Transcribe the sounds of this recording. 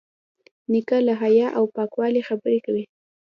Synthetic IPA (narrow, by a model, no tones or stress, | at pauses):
nikalaɦajɑʔawpɑkwɑlixabəɾekawi